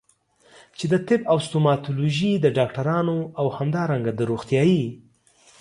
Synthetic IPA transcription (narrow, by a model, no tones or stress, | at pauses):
t͡ʃed̪ət̪ɪbawst̪omɑt̪oloʒid̪əɖɑkʈaɾɑnoawhamd̪ɑɾaŋɡad̪əɾoxt̪jɑji